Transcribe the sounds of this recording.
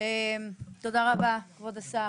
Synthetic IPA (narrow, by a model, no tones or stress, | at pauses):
emt̪od̪aʁabakvod̪asa